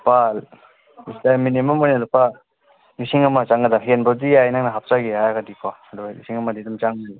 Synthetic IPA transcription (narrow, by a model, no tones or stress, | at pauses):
pal | istaminimamɔjnalupa | nisiŋamat͡ʃaŋɡadaɦenbadijajnaŋnaɦap̚t͡ʃaɡihajaɡadikʰwaduɡnḭsiŋɐmadidumt͡ʃaŋnal